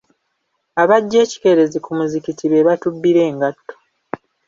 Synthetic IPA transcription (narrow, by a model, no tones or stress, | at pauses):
aβaɟːe̞ːci̥ke̞ɾe̞zikumuzikitiβe̞βatubːiɾe̞ːŋɡatːo